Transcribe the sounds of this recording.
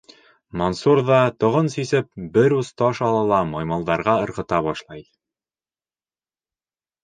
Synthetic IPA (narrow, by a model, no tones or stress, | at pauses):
monsuɾðɑt̪ŏʁɤnsisɘp̚bɘɾust̪ɑʃɑlˠɑ̆lˠɑmɒjmɑlˠd̪ɑɾʁɑɤ̆ɾʁɤ̆t̪ɑβɒʃlˠɑj